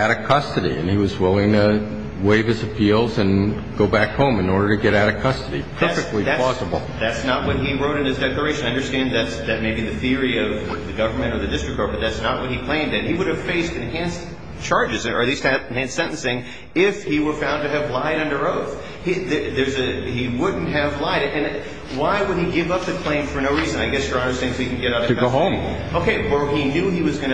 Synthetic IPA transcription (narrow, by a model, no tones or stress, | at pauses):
ɨɾɨ̥kʰʌstɨɾḭɨ̰̃niwʌzwɪlˠɪ̃ŋtʰə | weɪvɨzɨpʰilˠzɨ̃n | ɡ̥oʊbækhõʊ̃mɨ̃nɔɹɾə˞ɾɨɡɛɾaɾɨ̥kʰʌstɨɾipʰɜ˞fɨk̚tˡliðæɔsəbl̩ˠðætsnət̚wʌt̚ɦiɹoʊɾɨ̃nɨzdɛklˠə˞eɪʃɨ̃naɪʌ̃ndə˞stæ̃nðɨtsðɨt̚meɪbiðɨθɪɹiʌvðɨɡʌvə˞mɨ̃ɾ̃ə˞ðɨdɪstɹ̥ɨk̚tʰɔɹbʌt̪̚ðætsnət̚wʌt̚hikʰl̥ẽɪ̃mdɨ̃n̚iwʊɾɨv̥feɪstɨ̃nɦæ̃ns | t͡ʃʰɑɹd͡ʒɨzɨ̃ə̰˞ðiz̥tʰæ̃nsɛ̃ñnsɪ̃ŋ | ɪfhiwə˞fãʊ̃ntɨːvlaɪɾʌ̃ndə˞oʊθ | hiððə˞zɨiwʊdⁿn̩t̚ɦɨvlaɪɾɨɨ̃n | waɪwəd̚iɡɪvʌp̚ðɨkʰl̥ẽɪ̃ɱfə˞noʊɹizɨ̃naɪɡɛsjə˞ɑnə˞sθɪ̃ŋsikn̩ɡɛɾaʊɾʌðɨɡoɦõʊ̃m | oʊkʰeɪwə˞injʉiwʌzɡʌñɨ